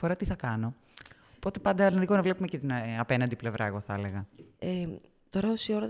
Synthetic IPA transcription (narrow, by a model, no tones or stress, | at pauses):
foɾɐt̪iθɐkɐno̞ | po̞t̪e̞pɐnd̪ɐlinikonɐvle̞pumecet̪inɐpe̞nɐnd̪iple̞vɾʔɐeɣo̞θɐele̞ɣɐe | t̪o̞ɾɐosio̞ɾo